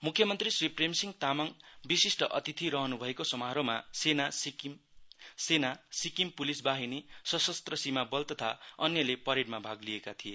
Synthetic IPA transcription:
mukʰjʌmʌnt̪risripremsiŋɡt̪amaŋbisisʈʌʔʌ̰t̪it̪ʰiɾʌɦʌnubʱʌekosʌmaɦɾomasenas | senasikimpulisbaɦinesʌsʌst̪rʌsimabʌlt̪ʌt̪ʰaʌnjʌlepʌɾiɽmabʱaɡliekat̪ʰije

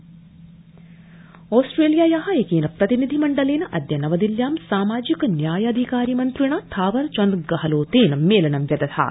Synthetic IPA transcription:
oːsʈɾeːljaːjɐɦɐekeːnɐpɾɐt̪inid̪ʱimɐɳɖɐleːnɐʔɐd̪jɐnɐʋɐd̪iljaːmsaːmaːd͡ʒikɐnjaːjɐd̪ʱikaːɾimɐnt̪ɾiɳɐt̪ʰaːʋɐɾt͡ʃɐnd̪ɡɐɦɐloːt̪eːnɐmːeːlɐnɐmjɐd̪ɐt̪ʰa̰

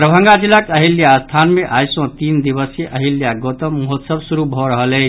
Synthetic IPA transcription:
ɾəbʱə̃ŋɡad͡ʒilːəkəɦiljast̪ʰanmeʔajsɔ̃t̪ind̪iβəseʔəɦiljaɡot̪əmːuɦot̪səbsuɾubʱɔɾəɦəle

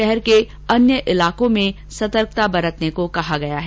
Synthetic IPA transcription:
ɛɦɛɾke | ɐnjəʔɪlaːkõmẽ | sɐt̪əɾk̚t̪abɐɾət̪nekokɐɦaɡɐjaɦɛː

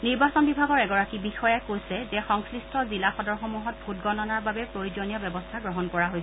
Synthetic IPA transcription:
niɹbasɔnbibʱaɡɔɹɛɡɔɹakibixɔjakojsɛzɛxɔŋsɹistʰɔzilaxɔdɔɹxomuɦɔt̚bʱut̚ɡɔnɔnaɹbabɛpɹojizɔnijɔbjɛbɔstʰaɡɹɔɦɔnkɔɹaɦojsɛ

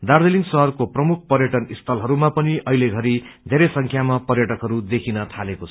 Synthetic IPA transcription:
d̪ard̪eliŋɡsʌɦʌrkoprʌmuk̚ʰpʌrjʌʈʌnist̪ʰʌlɦʌɾumapʌniʔʌɦileɡʱʌɾid̪ʱeɾʌjsʌŋkʰjamapʌrjʌʈʌkɦʌɾud̪ekʰinʌt̪ʰalekot͡sʰ

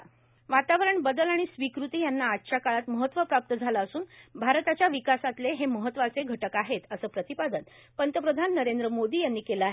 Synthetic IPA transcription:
ʋat̪aʋəɾəɳbəd̪əlaɽ̃isʋikɾut̪iːjanːaːtːɕʰakaɭat̪məɦət̪ːʋəpap̚t̪əd͡zʱalaːsuːnbʱaɾt̪at͡ɕjaʋikasat̪leɦeməɦət̪ːʋat͡seɡʱəʈəkaɦet̪əsəːpɾət̪ipad̪ən | pənt̪əpɾəd̪ʱanːəɾend̪ɾəmod̪iːjanːiːkeləaɦe

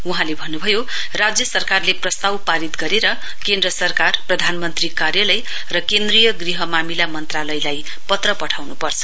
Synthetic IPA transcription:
uɦãlebʱʌnːubʱʌjo | rad͡zjʌsʌrkarleprʌst̪awpaɾit̪ɡʌɾeɾʌ | kend̪rʌsʌrkarprʌd̪ʱanmʌnt̪rikarjʌlʌj | rʌkend̪rijʌɡriɦʌmamilamʌnt̪ralʌjlaj | pʌt̪rʌpʌʈʰawnupʌrt͡sʰʌ̥

